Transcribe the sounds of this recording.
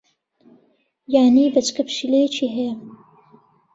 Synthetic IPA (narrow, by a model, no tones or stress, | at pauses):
jaːnibɐt͡ʃkɐpʃilet͡ʃʰiɦe